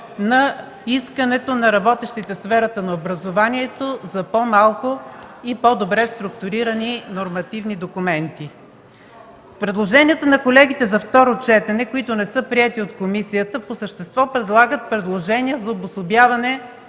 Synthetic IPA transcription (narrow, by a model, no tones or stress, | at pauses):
nɐ | iskənɛt̪onɐɾɐbɔt̪ɛʃt̪it̪ɛsfɛɾɐt̪ənɐobɾɐzovaniɛt̪ozɐpomalˠkoipɔd̪obɾɛst̪ɾʊkt̪ʊɾiɾəninoɾmɐt̪ivnid̪okʊmɛnt̪i | pɾɛd̪lˠoʒɛniət̪ənɐkolɛɡ̟it̪ɛzɐft̪ɔɾot͡ʃɛt̪ɛnɛkoit̪ʊnɛsɤpɾiɛt̪iot̪komisijət̪əposəʃt̪ɛst̪vɔpɾɛd̪lˠaɡət̪̚pɾɛd̪lˠoʒɛniəzɐobʊsobjavɐnɛ